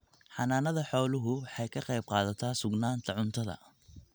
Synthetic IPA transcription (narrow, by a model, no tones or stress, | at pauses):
ħɑnaːnɐðɐħɔːlʊɦʊwħɑjkʰɐqɛjb̚qɑːðɐt̪ʰaːsʊɡnaːnt̪ʰɐʕʊnt̪ʰɐðɐ̰